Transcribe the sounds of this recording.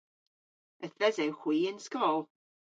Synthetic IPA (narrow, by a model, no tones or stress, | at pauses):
əθvɛzɛwχwiːənskɔːlˠ